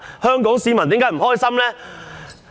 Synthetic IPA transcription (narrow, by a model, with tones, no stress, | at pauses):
hœː˥ŋkɔː˨˥ŋsiː˨˧mɐ˨˩nt̪i˨˥ŋkaː˨˥jm̩˨˩ɦɔː˥jsɐ˥mlɛː˥